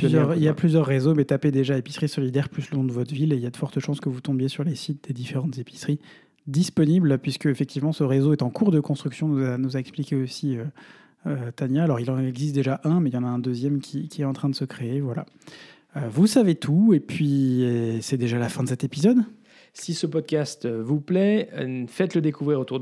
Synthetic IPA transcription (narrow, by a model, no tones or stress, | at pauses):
pyzjœʁiljaplyzjœʁːezomɛt̪aped̪eʒaepi̥sχisɔlid̪ɛʁplyslənɔ̃d̪əvɔt̪χvileiljad̪əfɔʁt̪əʃɑ̃skəvut̪ɔ̃bjesyʁlesit̪̚d̪ed̪ifeʁɑ̃t̪zepi̥sχi | d̪ispɔniblpɥiskəefɛk̚t̪ivmɑ̃səʁezoɛt̪ɑ̃kuʁd̪əkɔ̃st̪χyksjɔ̃nuzanuzaɛksplikʲeosiø | øt̪anjaːlɔʁilɑ̃ɛɡzist̪̚d̪eʒaʔɛ̃mɛiljɑ̃naɛ̃d̪øzjɛmkʲʰikʲiɛt̪ɑ̃t̪χɛ̃d̪əsəkχeevwala̰ | øvusavet̪ʰuepɥiesɛd̪eʒalafɛ̃d̪əs̬ɛt̪epizɔd̪ | sisəpɔd̪̚kʲast̪vuplɛfɛt̪ləd̪ekuvʁiʁot̪uʁ